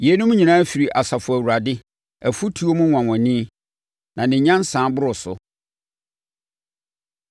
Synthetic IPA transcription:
je˨˦nʊ̃˦m˦ɲĩ˨nãː˦fi˨ɾi˨ʔa˨sa˨fʊ˨æ˨wu˨ɾa˨dɪ˦ | æ˨fu˦tʰu˨o˦mũ˦wã˨wɔ̃˨nĩ˦ | nã˨nɪ̃˨ɲã˦n˦sãː˨˦bʊ˦ɾʊ˨sʊ̰˨

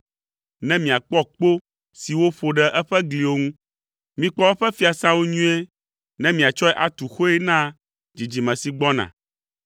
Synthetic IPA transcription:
nɛ̃˦mĩ˨a˨k͡pɔ˦k͡po˦ | si˨wo˦ɸo˨ɖɛ˨ʔɛ˦ɸɛ˦ɡli˨wo˦ŋũ˦ | mĩ˦k͡pɔ˦ɛ˦ɸɛ˦fi˦a˨sã˦wo˦ɲũ˦e˦ | nɛ̃˦mĩ˨a˨t͡ʃɔ˦ɛ˦ʔa˨t̪u˨xo˦ɛ˦nã˦ | d͡ʑi˨d͡ʑi˨mɛ̃˨si˨ɡ͡bɔ˦nã̰˨

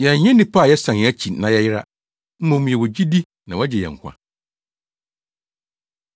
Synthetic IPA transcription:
jɛ˨ɲɛ̃˦nɪ̃˦pʰa˦˨jɛ˦sã˨n˨ɛ̃˨˦æ˦t͡ɕʰi˨nã˨jɛ˦jɪ˦ɾa̰˦ | m̩˦mɔ̃˨m̃˨jɛ˨wɔ˨d͡ʑi˦di˦ | nã˨wa˦d͡ʑɛ˨jɛ̰˨ŋ˨kʷʰa̰˨

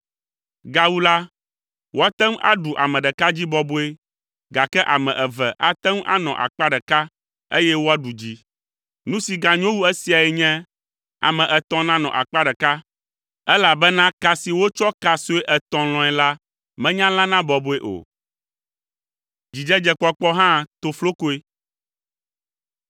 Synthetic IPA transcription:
ɡa˨wu˦la˦ | wo˦a˦t̪ɛ˦mʔa̰˦ɖu˨ʔa̰˨mɛ̃˨ɖɛ˨ka˦d͡ʑi˦bɔ˦bo˦e˦ | ɡa˨kɛ˦ʔa˨mɛ̃˨ʔɛ˨vɛ˨ʔa˨t̪ɛ˦m˦ʔa̰˦nɔ̰̃˨ʔa̰˨k͡pa˦ɖɛ˨ka˦ | e˦jɛ˦wo˦a˦ɖu˨d͡ʑi˦ | nũ˦si˨ɡa˨ɲõ˦wu˦ɛ˦si˨a˨ɛ˨ɲɛ̃˦ | a̰˨mɛ̃˨ʔɛ˨t̪ɔ̃˨nã˦nɔ̰̃˨ʔa̰˨k͡pa˦ɖɛ˨ka˦ | ɛ˦la˨bɛ˦nã˦ka˨si˨wo˦t͡ʃɔ˦ka˨so˦e˦ʔɛ˨t̪ɔ̃˨l̃ɔ̃˨ɛ˨la˦ | mɛ̃˦ɲã˦lã˦nã˦bɔ˨bo˨e˦ʔo̰˨ | d͡ʑi˨d͡ʒɛ˦d͡ʒɛ˨k͡pɔ˦k͡pɔ˦ɦã˦t̪o˨flo˦ko˦e˦

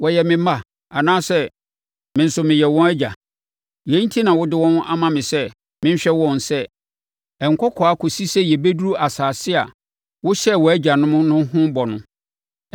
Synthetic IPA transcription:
wɔ˨jɛ˨mɪ̃˨ma˨ | a˨nãː˦sɛ˦ | mɪ̃˨n̩˨sʊ˨mɪ̃˨jɛ˨wɔ̃˦æ˦d͡ʑa˨ | jɛ˨˦n̩˦tʰi˦nã˨wʊ˦dɪ˦wɔ̃˦na̰˦mã˨mɪ̃˨sɛ˦ | mɪ̃˦ɲ˦ɕᶣɛ˦wɔ̃˦n˨sɛ˦ | ɛ˨ŋ̩˨kʰɔ˦kʰɔ˨a˦kʰʊ˨si˦sɛ˦jɛ˨be˦du˦ɾu˦ʔa˨saː˨sɪ˦a̰˨ | wʊ˦ɕɛ˦˨wɔ˨æ˦d͡ʑa˨nʊ̃˦mʊ̃˦nʊ̃˦hʊ̃˦bɔ˨nʊ̃˦

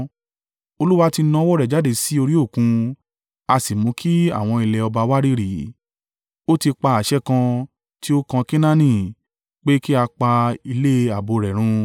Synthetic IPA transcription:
o˧lu˦wa˦ti˧nã˦wɔ˦ɾɛ˨d͡ʒa˨˦de˦˨si˨˦o˧ɾi˦o˦˨kũ˧ | a˧si˨mũ˨˦kʰi˦a̰˦˨w̃ɔ̃˧i˧lɛ˧ɔ˧ba˧wa˦ɾi˦ɾi˨˦ | o˦ti˧k͡pa˧a˨ʃɛ˦kã˧ | ti˦o˦kã˧ke˦nã˦nĩ˨ | k͡pe˦ki˦a˧k͡pa˧i˧le˦˧a˨bo˧ɾɛ˨ɾ̃ũ˧

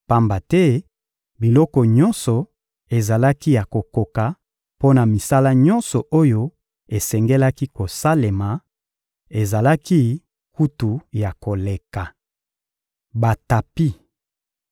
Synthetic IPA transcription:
pa˦mba˨tɛ˦ | bi˨lɔ˦kɔ˨ɲɔ̃˦nsɔ˨ | e˨za˨la˦ki˦ja˨ko˨ko˨ka˨ | po˦na˨mi˨sa˦la˦ɲɔ̃˦nsɔ˨ʔo˦jo˦ | e˨sɛ˨ŋɡɛ˦la˦ki˦ko˨sa˦le˨ma˨ | e˨za˨la˦ki˦ | ku˦tu˨ja˨ko˨le˨ka˨ | ba˨ta˨pi˦

